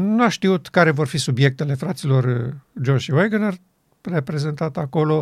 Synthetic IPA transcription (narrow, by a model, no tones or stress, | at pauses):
nuaʃt̪iut̪kaɾe̞vo̞rfisubje̞k̚t̪e̞le̞fɾat̪silo̞rd͡ʒoʒiwojɡənar | re̞pɾe̞ze̞nt̪at̪ako̞lo̞